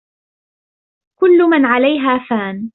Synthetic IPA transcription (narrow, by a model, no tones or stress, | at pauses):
kʊlːʊmanʕalajɦaːfaːn